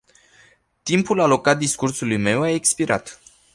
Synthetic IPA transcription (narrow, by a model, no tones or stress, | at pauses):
t̪impulalo̞kat̪̚d̪iskursulujme̞waekspiɾʔa̰t̪